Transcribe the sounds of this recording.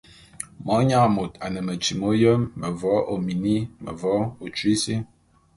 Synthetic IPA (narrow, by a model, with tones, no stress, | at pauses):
mɔ˨˦ɲa˦˨mo˨ta˨nə˨mə˨t͡ʃi˨mo˦jə˦mːə˨vɔ˨˦ʔo˨mi˨ni˦mə̰˨vɔ˨˦o˨t͡ʃwi˦si˦